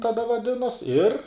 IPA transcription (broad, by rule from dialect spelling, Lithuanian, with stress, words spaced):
tɐˈdɐ ʋɐˈdʲɪnoːs ɪr